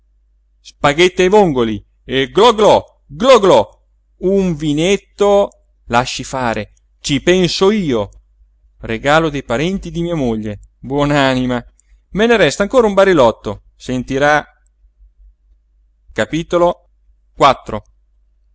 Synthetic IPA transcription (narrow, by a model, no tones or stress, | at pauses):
spaɡet̪ːeajvoŋɡoli | eɡlɔɡlɔ | ɡlɔɡlɔ | uɱvinet̪ːo | laʃːifaːɾʔe | t͡ʃipɛnsoiːo | reɡaːlod̪ejpaɾɛnt̪id̪imiːamoʎːebwɔnaːnima | meneɾɛst̪aŋkoːɾaumbaɾilɔt̪ːo | sent̪iɾa | kapiːt̪olo | kwat̪ːɾo̰